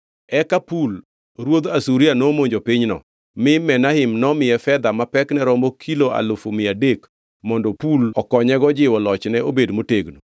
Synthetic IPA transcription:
ɛkapul | ɾwod̪asuɾianomoɲd͡ʒopɪɲnɔ̰ | mɪmɛnahɪmnɔmɪjɛfɛd̪amapɛknɛɾɔmokʰiloa̰lʊfomɪadek | mɔndɔpulɔkɔɲɛɡɔd͡ʒɪwɔlɔt͡ʃnɛobedmoteɡno

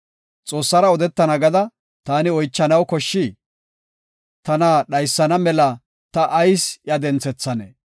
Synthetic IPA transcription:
t͡sʼo̞ːsːɐɾɐɔd̪ɛt̪ːɐnɐɡɐd̪ɐ | t̪aːnɪɔjt͡ʃːɐnɐwkɔʃːɪ | t̪ɐnaɗɐjsːɐnɐmɛlɐ | t̪ɐʔːjsjɐd̪ɛnt͡sːɛt͡sːɐnḛ

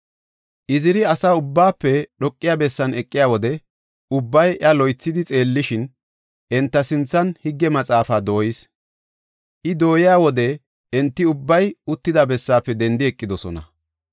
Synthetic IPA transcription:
ʔɪzɪɾɪɐsaʊbːaːpːɛɗɔkʼːɪjaːbɛsːɐnɛkʼːɪjaːwɔd̪ɛ | ʊbːɐjʔɐlɔjt͡sːɪd̪ɪt͡sʼe̞ːlːɪʃɪn | ʔɛnt̪ːɐsɪnt͡sːɐnhɪɡːɛmɐt͡sʼaːfaːd̪o̞ːjɪs | ʔɪd̪o̞ːjɪjaːwɔd̪ɛ | ɛnt̪ːɪʊbːɐjʊt̪ːɪd̪abɛsːaːpːɛd̪ɛnd̪ɪɛkʼːɪd̪ɔsɔnɐ̰

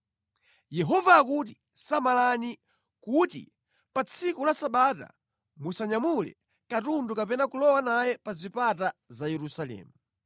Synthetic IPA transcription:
jɛɦɔvaːkut̬i | samalani | kutḭ | pat͡sʰikulasaɓata̰ | musaɲamulɛ̰ | katundukapɛnakulɔwanajɛpazipatazajɛɾusalɛ̰ːmu

